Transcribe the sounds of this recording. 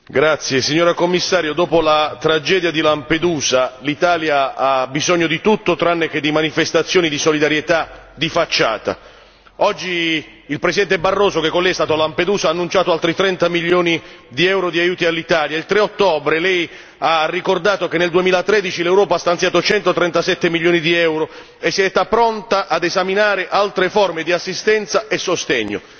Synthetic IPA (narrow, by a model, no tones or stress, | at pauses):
ɡɾat̪sːjesiɲːoːɾakomːisːaːɾjod̪oːpolat̪ɾad͡ʒɛːd̪jad̪ilamped̪uːzalit̪aːljaabizɔɲːod̪it̪ut̪ːot̪ɾanːeked̪imanifest̪at̪sːjoːnid̪isolid̪aɾjet̪a | d̪ifat͡ʃːa̰ːt̪a̰ | ɔd͡ʒːiː | lpɾesid̪ɛnt̪ebarːoːsokekːonlɛjɛst̪aːt̪oalamped̪uːzaːnːunt͡ʃaːt̪oalt̪ɾit̪ɾɛnt̪amiʎːjoːnid̪iɛwɾod̪iajuːt̪ialːit̪aːljailt̪ɾeot̪ːoːbɾelɛj | arːikord̪aːt̪okenːeld̪uemiːlat̪ɾɛd̪it͡ʃilewɾɔːpast̪ant̪sjaːt̪ot͡ʃɛnt̪ot̪ɾɛnt̪asɛt̪ːemilʎːjoːnid̪iɛwɾo | esːiɛt̪apɾɔnt̪aʔad̪ezaminaːɾeʔalt̪ɾefɔrmed̪iasːist̪ɛnt̪saesːost̪ɛɲːo̰